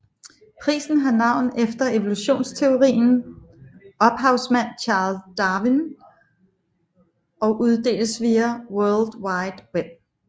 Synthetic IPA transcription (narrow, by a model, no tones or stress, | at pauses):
pʰʁḭːsn̩ɦɑ̈nɑ̈ʊ̰nefd̥ɐʔe̝ʋoluɕo̝̰ːnst͡sʰe̝o̝ʁḭːn̩ | ɒ̽b̥ɦɑ̈ʊsmæn̰t͡ɕʰɑ̈ːlsd̥ɑ̈ːʋin | ɒ̽ʔuð̞ˠd̥e̝̰ːləsʋiːæwœɐld̥wɑ̈ɪd̥web̥̚